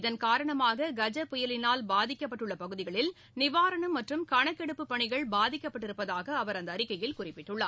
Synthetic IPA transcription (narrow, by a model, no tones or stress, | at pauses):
ɪðɐnkaːɾɐɳɐmaːɣɐɡɐd͡ʒɐpːʊjɐlɪnaːlbaːðɪkʲːɐpːɐʈːɯɭːɐpɐɣɯðɪɣɐɭɪl | nɪʋaːɾɐɳɐmːɐʈrɯmkɐɳɐkːɛɽɯpːɯpːɐɳɪɣɐɭbaːðɪkʲːɐpːɐʈ̬ːɪɾɯpːɐðaːɣɐːʋɐɾɐnd̪ɐːɾɪkːɐjɪlkʊrɪpːɪʈːɯɭːa̰ː